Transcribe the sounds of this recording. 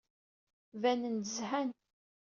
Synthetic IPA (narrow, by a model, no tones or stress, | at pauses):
vænənt̪əzhæn